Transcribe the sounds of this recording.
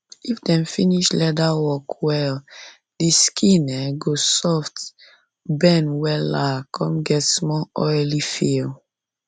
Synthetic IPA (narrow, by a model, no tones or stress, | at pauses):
ifdɛ̃mfiniʃlɛdawɔkwɛl | diskʰĩnɛɡosɔft | bɛ̃nwɛlakʰɔ̃mɡɛtsmɔɔjlifil